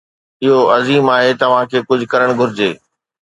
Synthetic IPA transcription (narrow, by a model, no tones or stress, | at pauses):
ɪɦoɐziːmaːɦet̪ɐʋ̤ãkʰeːkʊd͡ʑʱʊkɐɾəɽ̃ɡʱʊɾɪd͡ʑeː